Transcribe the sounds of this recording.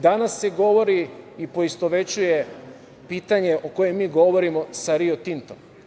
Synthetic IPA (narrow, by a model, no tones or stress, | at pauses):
d̪anasːeɡo̞ʋo̞ɾiipo̞ist̪oʋe̞t͡ɕuje̞ | piːt̪aɲe̞ʔo̞kojemːiːɡo̞ʋo̞ɾimo̞saɾiot̪int̪om